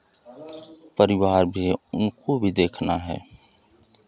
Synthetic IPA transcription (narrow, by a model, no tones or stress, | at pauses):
pəɾɪʋaːɾbʱiʊnkobʱid̪eːkʰnaɦɛ̰ː